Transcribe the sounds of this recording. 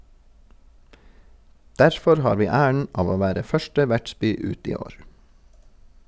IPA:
ˈdæɾfɔɾ ˈhɑːɾ ˈʋiː ˈæːəɳ ˈɑːʋ ˈoː ˈʋæːɾə ˈfœʃʈə ˈʋæʈˌsbyː ˈʉːt ˈiː ˈoːɹ

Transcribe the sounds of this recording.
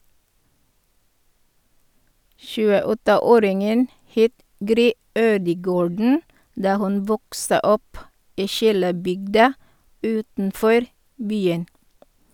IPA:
ʃʉːəˈɔtəˌoːɾɪŋən ˈheːt ˈɡɾyː ˈøːdəˌɡoːɖɳ̩ ˈdɑː ˈhʉn ˈʋɔksə ˈɔp ˈiː ˈʃiːləˌbʏɡdɑ ˈʉːtn̩ˌfɔɾ ˈbyːən

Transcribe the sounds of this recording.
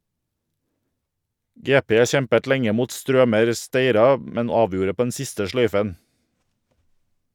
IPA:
ˈɡeːˌpeː ˈçɛmpət ˈlɛŋə ˈmuːt ˈstɾøːməɾ ˈsteɪɾɑ ˈmɛn ˈɑːˌʋjuːɾə ˈpoː ˈɛn ˈsɪstə ˈʃlœʏfən

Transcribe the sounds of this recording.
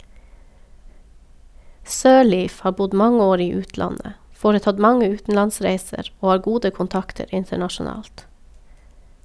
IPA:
ˈsøːˌɭiːf ˈhɑː ˈbʊd ˈmɑŋə ˈoːɾ ˈiː ˈʉːtˌlɑnə ˈfoːɾəˌtɑd ˈmɑŋə ˈʉːtn̩lɑnˌsɾæɪsəɾ ˈoː ˈɑːɾ ˈɡuːdə kʊnˈtɑktəɾ ˈɪntəɳɑʃʊˌnɑːlt

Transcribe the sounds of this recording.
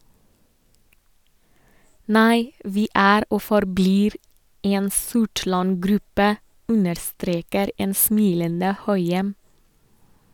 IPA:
ˈnæɪ ˈʋiː ˈæːɾ ˈoː fɔɾˈbliːɾ ˈeːn ˈsʊʈɭɑn ˈɡɾʉpə ˈʉnəɾˌstɾeːkəɾ ˈeːn ˈsmiːlənə ˈhœʏɛm

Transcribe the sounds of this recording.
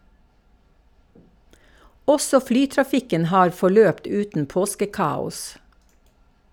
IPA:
ˈɔsɔ ˈflyːtɾɑˌfɪkən ˈhɑːɾ fɔˈɭøːpt ˈʉːtn̩ ˈpoːskəˌkɑːʊs

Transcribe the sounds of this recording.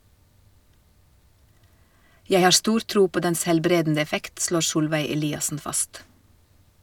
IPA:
ˈjæɪ ˈhɑː ˈstuːɾ ˈtɾuː ˈpoː ˈdɛns hɛlˈbɾeːdn̩ə ɛˈfɛkt ˈʃloːɾ ˈsuːlʋæɪ ɛˈliːɑsn̩ ˈfɑst

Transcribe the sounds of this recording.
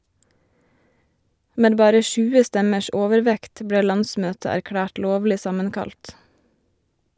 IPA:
ˈmeː ˈbɑːɾə ˈʃʉːə ˈstɛməʃ ˈoːʋəɾˌʋɛkt ˈbɽeː ˈlɑnˌsmøːtə æɾˈkɽæːʈ ˈloːʋlɪ ˈsɑmənˌkɑlt

